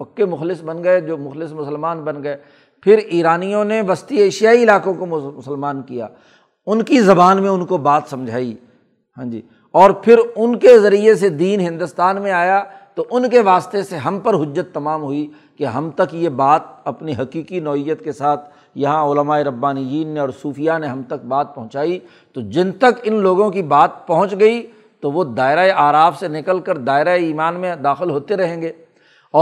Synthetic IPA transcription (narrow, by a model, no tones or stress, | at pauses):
pɐkːemʊxlɪsbɐnɡɐed͡ʒoːmʊxlɪsmʊsəlmaːnbɐnɡɐeː | pʰɪɾiːɾaːnijõneʋɐst̪ieːʃɪjaːiɪlaːkõkommʊsəlmaːnkija̰ː | ʊnkizɐbaːnmẽʊnkobaːt̪sɐ̃md͡ʒʱaːi | ɦãːd͡ʒḭː | ɔːɾpʰɪɾʊnkezɐɾiesed̪iːnɦɪ̃nd̪ʊst̪aːnmẽaːjat̪oʔʊnkeʋaːst̪eseɦɐmpəɾɦʊd͡ʒːət̪ːɐmaːmɦʊi | keɦɐmt̪ɐkjebaːt̪̚ɐpniɦɐkiːkinɔːɪjːət̪kesaːt̪ʰ | jɐɦãʊləmaːeɾɐbːaːnid͡ʒiːnːeɔːɾsuːfijaneɦɐmt̪ɐk̚baːt̪̚pɐɦʊ̃t͡ʃaːi | t̪od͡ʒɪnt̪ɐkɪnloːɡõkibaːt̪̚pɐɦʊ̃t͡ʃɡɐi | t̪oʋod̪aːɪɾaːeaːɾaːfsenɪkəlkəɾd̪aːɪɾaeiːmaːnmẽd̪aːxɪlɦoːt̪eɾɐɦẽːŋɡeː | ɔː